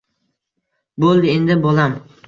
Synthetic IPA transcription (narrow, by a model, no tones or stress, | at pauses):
bolˠd̪ɪend̪ɪbolam